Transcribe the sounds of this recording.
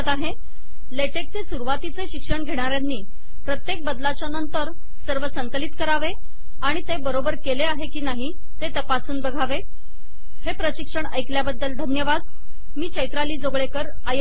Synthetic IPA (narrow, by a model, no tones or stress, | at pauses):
t̪aɦe | leʈek̚t͡sesuɾuʋat̪it͡seɕikʂəɳɡʱeɽ̃aɾjanːiː | pɾət̪jek̚bəd̪lat͡ɕjanənt̪əɾ | səɾʋəsəŋklit̪kəɾaʋe | aɽ̃it̪ebəɾobəɾkeleaɦekiːnaɦi | t̪et̪əpasuːnbəɡʱaʋe | hepɾəɕikʂəɳəjkljabəd̪ːəld̪ʱənjəʋad̪̚ | miːt͡ɕəjt̪ɾaliːd͡zoɡɭekəɾ | əj